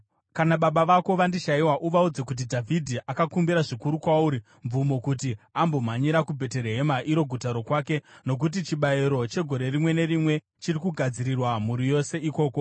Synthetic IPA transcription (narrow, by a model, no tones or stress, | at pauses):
kanaɓaɓaʋako̞ʋandiʃaiwaʔuʋaud͡zekut̬idʱavʱidʱiʔakakumbiɾaʐikuɾukwauɾi | ɱvumo̞kutiambo̞m̤aɲiɾakubʱe̞te̞ɾeɦe̞maʔiɾo̞ɡʱutaɾo̞kwaːke̞no̞k̬ut̬it͡ʃiɓaiɾo̞t͡ʃe̞ɡʱo̞ɾe̞rimwe̞ne̞ɾimwe̞ | t͡ʃirikuɡʱad͡ziɾirwamuɾijo̞se̞iko̞ːko̞